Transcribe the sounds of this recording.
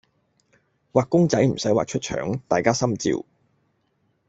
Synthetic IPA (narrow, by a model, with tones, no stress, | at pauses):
waː˨k̚ʊ˥ŋt͡sɐ˨˥jm̩˨˩sɐ˨˥jwa̰ː˨k̚t͡ʃʰɵ˥t̚t͡ʃʰœ̰ː˨˥ŋt̪a̰ː˨jkaː˥sɐ˥mt͡sḭː˨˧w